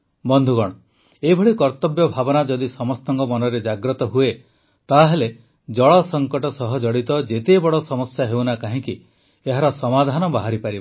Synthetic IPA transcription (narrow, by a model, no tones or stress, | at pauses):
bɔnd̪ʱuɡɔɽ̃ɔ | ebʱɔɭikɔɾt̪ɔbjɔbʱabɔnad͡ʒɔd̪isɔmɔst̪ɔŋkɔmɔnɔɾed͡ʒaɡɾɔt̪ɔɦue | t̪aɦele | d͡ʒɔɭɔsɔŋkɔʈɔsɔɦɔd͡ʒɔɽit̪ɔd͡ʒet̪ebɔɽɔsɔmɔsjaɦewnakaɦĩki | eɦaɾɔsɔmad̪ʱanɔbaɦaɾipaɾib